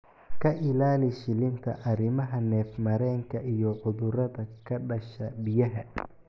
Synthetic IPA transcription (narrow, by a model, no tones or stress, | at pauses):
kʰɐʔɪlaːlɪʃɪlɪnt̪ʰɐ̰ʔɐɾɪmɐɦɐnɛːfmɐɾɛːŋkʰɐʔijɔʕʊðʊɾɐðɐkʰɐɖɐʃɐbɪjɐɦɐ